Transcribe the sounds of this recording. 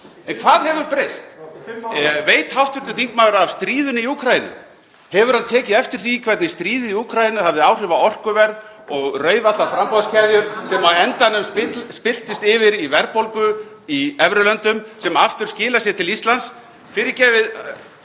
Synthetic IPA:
ɛnkʰvaːðɦɛvʏɾpɾejst̪ | veːjt̪hawht̪vʏɾt̪ʏθiŋkmaːwɾav̥st̪ɾiːðʏnɪiukʰɾajinɪ̰ | hɛvʏɾ̥hant̪ʰɛːcɪðɛft̪ɪɾ̥θikʰvɛɾt̪nɪst̪ɾiːðɪiukʰɾajɪnʏhavðɪawr̥ɪvaɔr̥kʏvɛɾð | ɔɣrœːɥvat̪lawfɾampɔðscʰɛðjʏɾsɛmaɛnt̪anʏmspɪspɪl̥t̪ɪst̪ɪvɪɾivɛɾpowlkʏ | iɛvɾʏlœnt̪ʏmsɛmaft̪ʏɾ̥scɪːlasjɛt̪ʰɪlist̪lans | fɪɾɪɾcɛːvɪð

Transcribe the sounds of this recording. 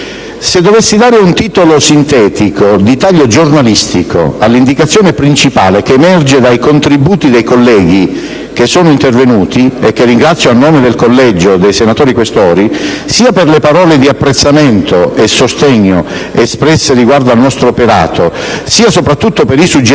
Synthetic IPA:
sed̪ːovesːid̪aːɾeunt̪iːt̪olosint̪ɛːt̪ikod̪it̪aʎːod͡ʒornalist̪ikʰo̰alːind̪ikat̪sːjoːnepɾint͡ʃipa̰ːlekeːmɛrd͡ʒed̪ajkont̪ɾibuːt̪id̪ejkolːɛːɡi | k̟esːɔːnoint̪ervenuːt̪iek̟ːerːiŋɡɾat̪sːjoanːoːmed̪elkolːɛd͡ʒod̪ejsenat̪ɔːɾikwest̪ɔːɾi | siːaperlepaɾɔːled̪iapːɾet̪sːament̪oesost̪ɛɲːoespɾɛsːeriɡward̪oalnɔst̪ɾoːpeɾa̰ːt̪osiːasopɾat̪ːut̪ːopeɾisud͡ʒ

